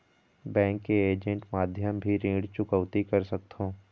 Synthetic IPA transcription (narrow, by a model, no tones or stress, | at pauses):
bɛ̃ːŋkːeeːd͡ʒə̃ɳʈmaːd̪ʱjəmbʱiɾĩːɽt͡ʃʊkəʋt̪ikɐɾsɐk̚t̪ɦõː